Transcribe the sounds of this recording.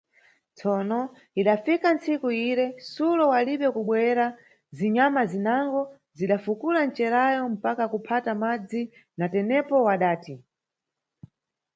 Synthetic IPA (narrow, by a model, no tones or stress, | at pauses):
t͡sɔnɔ | iɗafikant͡sikuiɾɛsulɔwaliɓɛkuɓwɛɾa | ziɲamazinaŋɡɔ | ziɗafukulan̩t͡ʃɛɾajɔm̩pakakupʰatamad͡zi | natɛnɛpɔwaɗaːti